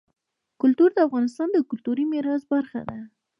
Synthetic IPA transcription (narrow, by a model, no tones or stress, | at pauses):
kʊlt̪uɾd̪əafɣɑnɪs̬t̪ɑnd̪əkʊlt̪uɾimɪɾɑzbaɾxa̰d̪a